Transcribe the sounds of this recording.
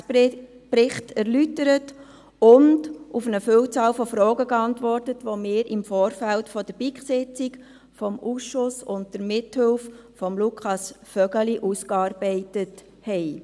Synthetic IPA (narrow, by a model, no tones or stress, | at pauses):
pɾɪχtʰɛɾlytəɾət | ʊndufənəfʏwt͡sɑːlfɔfɾɔːɡəɡɑntʋɔrtətʋomɪːɾɪmfɔːɾfæltfɔd̥əɾb̥ikχsɪt͡sɪk | fɔmusʃʊsʊntd̥əɾmɪthʏlffɔmlukʰχɑsfœɡəliʔuskɑːɾbɛɪtət | hɛɪ